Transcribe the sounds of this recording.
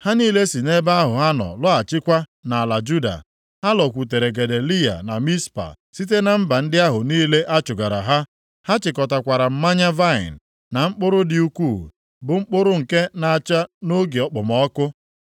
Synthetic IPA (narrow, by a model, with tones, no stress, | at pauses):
ha˦niː˦le˦si˨ne˦ba˦ɦʊ˨ɦa˦nɔ̰˨lɔ˦a˨t͡ʃɪ˦kʷa˦na˨a˨la˨d͡ʒu˦da̰˨ | ha˦lɔ˨kʷu˨te˨ɾe˨ɡe˨de˨li˦ja̰˨na˨mi˦spa̰˨ | si˦t̬e˦na˨m̩˦ba˨n̩˦dɪ˦a˦ɦʊ˨niː˦le˦ʔa˦t͡ʃʊ˨ɡa˨ɾa̰˨ɦa˦ | ha˦t͡ʃɪ˨kɔ˨ta˨kʷa˨ɾa˨m̩˦ma˦ɲa˦va˦ɪ̰˨n̩˨ | na˨ŋ͡m̩˦k͡pʊ˦ɾʊ˦dɪ˨u˦kʷuː˦˨ | bʊ˨ŋ͡m̩˦k͡pʊ˦ɾʊ˦ŋ̩˨ke˦na˨a˨t͡ʃa˦no˦ɡe˨ɔ˨k͡pʊ˨mɔ˦ɔ˦kʊ˦